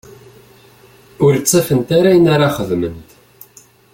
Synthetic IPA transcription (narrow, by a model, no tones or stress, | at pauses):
ʊɾt͡sːifənt̪aɾajənaɾaχəðmənt̪